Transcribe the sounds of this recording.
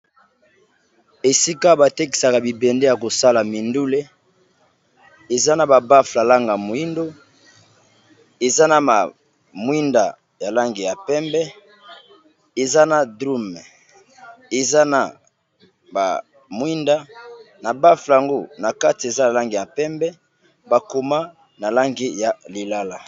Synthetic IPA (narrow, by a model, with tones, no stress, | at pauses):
e˨si˦ka˦ba˨te˦k̬i̥˨sa˨ka˨bi˨bɛ˨ndɛ˦ja˨ko˨sa˦la˨mi˨ndu˦le˦ | e˨za˦na˨ba˨ba˦fla˨la˦ŋɡa˨mo˨i˦ndo˦ | e˨za˦na˨ma˨ | mwi˦nda˨ | ja˨la˦ŋɡe˨ja˨pɛ˦mbɛ˦ | e˨za˦na˨dʁu˦mɛ˨ | e˨za˦na˨ | ba̰˨ | mwi˦nda˦na˨ba˦fla˨ŋɡo˦na˨ka˦ti˨e˨za˦ja˨la˦ŋɡi˨ja˨pɛ˦mbɛ˦ | ba˨ko˨ma˦ | na˨la˦ŋɡi˦ja˨li˨la˦la˨